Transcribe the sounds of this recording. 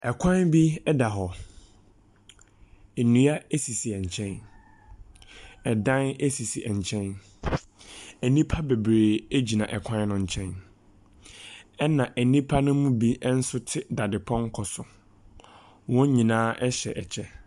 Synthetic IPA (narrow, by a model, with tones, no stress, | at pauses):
ɛ˨kʷʰã˦nbi˦ɛ˦da˨ɦɔ˨ | e˨nũ˨a˦e˦si˨si˨ɛ˨ɲ̩˨t͡ɕʰɛ̃˦n | ɛ˨dã˦ne˦si˨si˨ʔɛ˨ɲ˨t͡ɕʰɛ̃˦n | æ˨nĩ˦pʰa˦be˨bɾeː˨e˦d͡ʑi˨nã˨ʔɛ˨kʷʰã˦n˦nʊ̃˨ɲ̩˨t͡ɕʰɛ̃˦n | ɛ˦nã˨ʔæ˨nĩ˦pʰa˦nʊ̃˦mũ˦bi˦n̩˦sʊ˦tʰɪ˦da˨dɪ˨pʰɔ̃˦ŋ̩˦kʰɔ˨sʊ˨ | wɔ̃˦ɲĩ˨nãː˦ʔɛ˦ɕɛ˨ʔɛ˨t͡ɕʰɛ˦